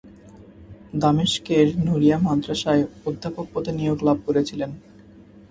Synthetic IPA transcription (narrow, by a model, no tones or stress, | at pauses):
d̪ameʃkeɾnuɾijamad̪ɾaʃaeod̪ʱːapok̚pod̪enijoɡlab̚ʱkoɾet͡ɕʰilen